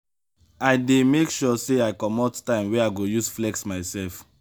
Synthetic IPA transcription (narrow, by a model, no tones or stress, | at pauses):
aɪdemekʃɔseaɪkɔmɔttãɪ̃mwɛaɪɡojusflɛksmaɪsɛlf